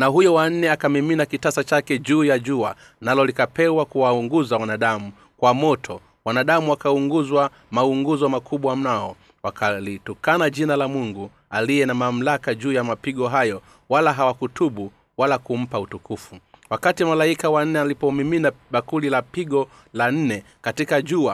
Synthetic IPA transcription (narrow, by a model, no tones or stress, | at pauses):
naɦujɔwan̩nɛakamiminakitasat͡ʃakɛʄuːjaʄua | nalɔlikapɛwakuwauŋɡuzawanaɗamu | kwamɔtʰɔ | wanaɗamuwakauŋɡuzwa | mauŋɡuzwamakʰuɓwam̩naɔ | wakalitɔkanaʄinalamuŋɡu | alijɛnamam̩lakaʄuːjamapiɡɔɦajɔ | walaɦawakutuɓu | walakum̩pautukufuwakatimalaikawan̩nɛalipɔmiminaɓakulilapiɡɔ | lan̩nɛ | katikaʄua